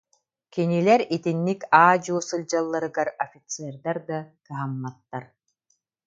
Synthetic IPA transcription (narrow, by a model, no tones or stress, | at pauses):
kinilɛɾit̪inːikaːd͡ʑɔsɯlʲd͡ʑalˠːaɾɯɡaɾɔfʲit̪sɛɾd̪aɾd̪akɯɦamːat̪ːaɾ